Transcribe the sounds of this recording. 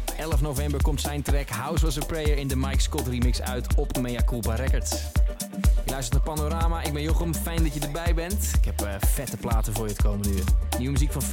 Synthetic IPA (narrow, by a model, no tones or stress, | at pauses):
ɛlˠəfnowvɛmbəɹkɔmtsɛjntrɛkɦawsʋɔs̬əprejəɹɪndəmajkskɔtrimɪksœ̰ɥtʰɔpmejakulˠbaɾɛkəɹts | jəlœɥstətnaːpanoɾaːmaɪɡ̚bɛnjoχəmfɛjndɔtjədəɹbɛjbɛntɪkhɛpəfɛtəplaːtəvʊːɹjətə̥kʰowməndəyːnywəmyzikfɔnf